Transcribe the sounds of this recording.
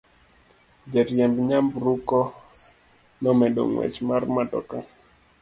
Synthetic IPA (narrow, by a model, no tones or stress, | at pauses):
d͡ʒɛɾjɛmbɲambɾukɔ | nɔmɛɗo̰ŋwɛ̰t͡ʃmarmadɔ̰ka